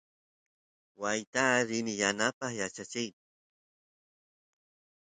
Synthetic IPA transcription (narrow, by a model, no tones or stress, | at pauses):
wajt̪aɾɪnɪjanapɑχjat͡ʃat͡ʃɪjt